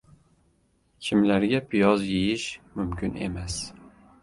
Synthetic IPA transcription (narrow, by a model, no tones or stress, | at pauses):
kʲʰimlæɾɡʲɛpʰijɒzjejɪʃmʊmkʰʲʊnḛmɛs